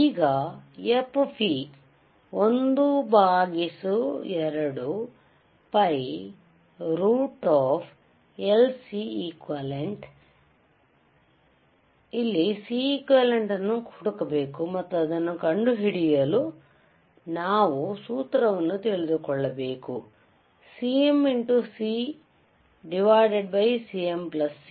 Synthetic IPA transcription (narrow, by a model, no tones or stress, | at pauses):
iːɡɐepːpʰi | ond̪ubaːɡisuɛɾɐɽu | pɐj | ɾuːʈaːpʰ | elsiikʋɐleɳʈ | ilːisiiːkʋɐleɳʈɐnukʰuɽukɐbeːkumɐt̪ːɐɐd̪ɐnukɐɳɖuɦiɽijɐlu | naːʋusuːt̪ɾɐʋɐnut̪elud̪ukɔɭːɐbeːku | siːemiɳʈusiː | ɖiʋaːjɖeɖbɐjsiːemplɐs